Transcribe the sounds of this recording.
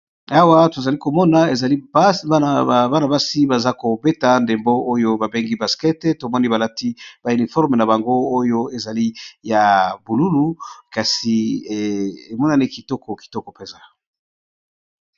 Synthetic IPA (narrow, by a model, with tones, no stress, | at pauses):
a˦wa˦to˨za˨li˦ko˨mɔ˦na˨e˨za˨li˦b | ba˦na˨ba˦si˦ba˨za˦ko˨be˦ta˨nde˨mbo˦o˦jo˦ba˨be˦ŋɡi˦ba˨skɛ˦tto˨mɔ˦ni˦ba˨la˦ti˦b̥a˨y˨ni˨fɔ˦ʁme˨na˨ba˨ŋɡo˦o˦jo˦e˨za˨li˦ja˨bu˨lu˦lu˦ka˨si˨ | e˨mɔ˦na˦ni˦ki˨tɔ˦kɔ˨ki̥˨tɔ˦kɔ˨pe˨za˨